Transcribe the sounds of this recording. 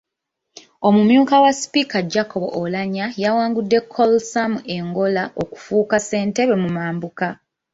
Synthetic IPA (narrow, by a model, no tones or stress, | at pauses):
o̞mumjuːkawaspikad͡ʒakoβo̰ʔolaɲajawaːŋɡudːe̞kʰːolsamue̞ŋɡo̞laʔo̞ku̥fuːkase̞ːnte̞βemumaːmbuka